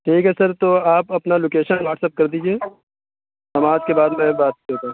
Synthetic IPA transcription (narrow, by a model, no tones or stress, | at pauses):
ʈʰiːkɦɛsɐɾt̪oaːpɐpnaloːkeːʃənʋaːʈsep̚kɐɾd̪iːd͡ʒieː | sɐmaːd͡ʒkebaːd̪mɛ̃baːt̪̚iɦoːt̪ã